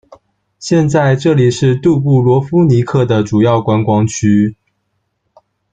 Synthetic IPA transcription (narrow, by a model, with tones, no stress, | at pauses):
ɕjɛ˥˧nt͡sa˥˧ɪʈ͡ʂɤ˥˩li˨˩ʂɻ̩˥˧t̪u˥˧p̬u˥˩lwɔ˧˥fu˥ni˧˥kʰɤ˥˩d̪ə˩ʈ͡ʂu˨˩jɑ˥˩ʊkwa˥nkwɑ˥ŋt͡ɕʰy˥